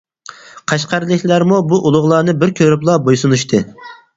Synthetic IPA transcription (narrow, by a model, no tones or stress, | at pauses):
qʰɑʃqɑɾlˠɨkʲʰlæɾmubuʔulˠʊʁlˠɑːnɨbɪɾkʲʰøɾyplˠɑbojsunuʃt̪ʰɨ